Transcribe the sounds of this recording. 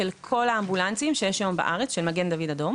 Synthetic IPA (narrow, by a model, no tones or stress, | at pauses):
elkʰo̞laːmbulant͡simʃejeʃjomba̰ʔaʁet͡sʃelmaɡe̞nd̪avid̪ado̞m